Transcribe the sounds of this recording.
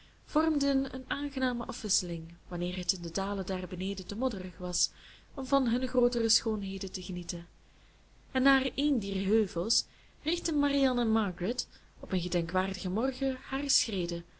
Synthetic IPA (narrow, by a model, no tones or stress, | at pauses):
v̥ɔrmdənə̰naːnɣənaːməʔɑfʋɪsəlɪŋʋɑnɪːrɦətɪndədaːlədaːrbəneːdətəmɔdərəxʋɑs | ɔmvɑnɦɵnxroːtərəsxoːnɦeːdətəɣənitən | ɛnːaːreːndiːrɦøːvəlˠs | rɪxtənmariɑnəmɑɡrɪt | ɔpənɣədɛŋkʋaːrdəɣəmɔrɣəhaːrsxreːdə